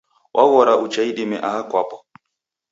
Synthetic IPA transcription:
wʔaɣɔɾaʔut͡ʃaiɗimɛʔaakwapɔ̥

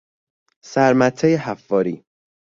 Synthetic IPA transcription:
sæɾmæt̪ʰːejeɦæfːɒːɾiː

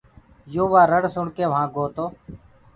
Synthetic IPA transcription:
joːʋaːɾəɽsʊɳkeːʋɦãːɡoːt̪oː

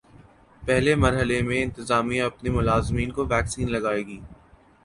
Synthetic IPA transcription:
pɛɦlemɐɾɦəlemẽɪ̃nt̪ɪzaːmijãɐpnimʊlaːzmiːnkoʋɛːksiːnlɐɡaːeːɡiː

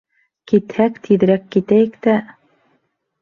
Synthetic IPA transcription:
kit̪hækt̪ʰið̆ɾækːit̪æjɘkt̪æ

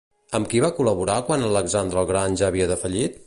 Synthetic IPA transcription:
əmkiβakuləβuɾakwanələɡzand̪ɾəːlˠɣɾanʲʒaəːβiəðəfəʎit̪̚

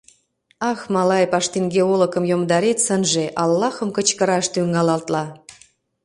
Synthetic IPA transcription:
ɑxmɑlɑjpɑʃt̪inɡeolŏkə̆mjomd̪ɑɾet̪sənʒeʔɑlːɑxə̆mkə̆t͡ɕkə̆ɾɑʃt̪yŋɑlɑlt̪lɑ

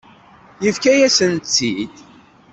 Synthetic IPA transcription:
jəfkæjæsənt͡sːid̪

